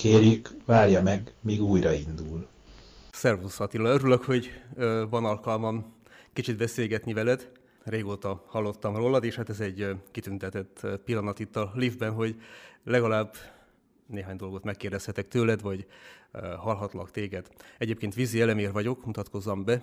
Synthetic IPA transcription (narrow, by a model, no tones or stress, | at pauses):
keːrjykvaːrjɒmɛɡmiːɡuːjɾɒind̪ul | sɛrvusɒt̪ilɒøɾyløkho̞ɟøvɒnɒlkɒlmɒn | kit͡ʃid̪bɛseːlɡɛt̪nivɛlɛd̪ | reːɡoːt̪ɒhɒlːo̞t̪ːɒmroːlɒd̪eːʃhaːt̪ɛzɛɟkit̪ynt̪ɛt̪ɛt̪ːpilːɒnɒt̪it̪ːɒlivbɛnɦo̞ɟlɛɡɒlaːbː | neːɦaːɲd̪o̞lɡo̞t̪mɛkːeːrd̪ɛshɛt̪ɛk̚t̪øːlɛd̪ʋɒɟ | ɦɒlɦɒt̪lɒkt̪eːɡɛd̪ɛɟeːp̚keːnt̪ʋiziɛlɛmeːrvɒɟo̞kmut̪ɒt̪ko̞zːɒmbɛ